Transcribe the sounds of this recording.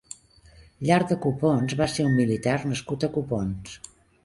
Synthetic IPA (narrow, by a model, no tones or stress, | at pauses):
ʎaɾ̚d̪əkuponzβaseumːilit̪arnəskut̪əkupons